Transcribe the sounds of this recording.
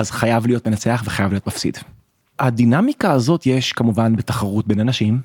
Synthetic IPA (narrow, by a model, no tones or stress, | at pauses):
azχajavlijo̞tmenat͡se̞aχveχajavlio̞tmafsḭd̥ | adinamikaːzo̞tjeʃkamuvanbetaχaʁut̚be̞nanaʃim